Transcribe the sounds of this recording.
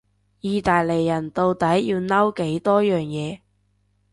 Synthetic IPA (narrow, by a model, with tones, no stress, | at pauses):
jiː˨˧t̪aː˨jle˨˩jːɐ˨˩nt̪o˨˧wt̪ɐ˨˥jjiː˧wnɐ˥wke˨˥jt̪ɔː˥jœː˨ŋjɛː˨˧